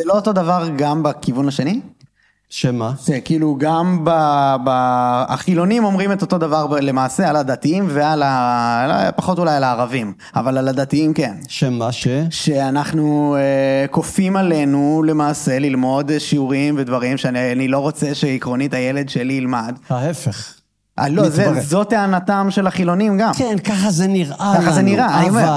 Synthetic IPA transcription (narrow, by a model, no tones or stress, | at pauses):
z̥elo̞oto̞davaʁɡambakivunhaʃe̞ni | ʃemaʃekiːluɡambabaa̰χilo̞nimo̞mʁimeto̞to̞davaʁble̞maːse̞alad̪atiimveala | paχo̞tulajalaːʁavim | a̰valalad̪atiimke̞nʃemaʃeʃeanaχnueko̞fimale̞nule̞maːse̞lilmo̞d̪ʃiuʁimvedvaʁimʃeaanilo̞ʁo̞t͡seʃeikʁo̞nitajele̞dʃeliːlmad̪aefeχ | alozezo̞tːeanatamʃe̞laχilo̞nimɡamkenkaχazeniʁakaχazeniʁaaniome